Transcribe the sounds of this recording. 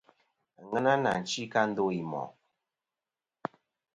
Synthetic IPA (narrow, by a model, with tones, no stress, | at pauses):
ŋə˦na˦na˨n̩˨t͡ʃi˦ka˦n̩˦do˦i˨mɔ̰˨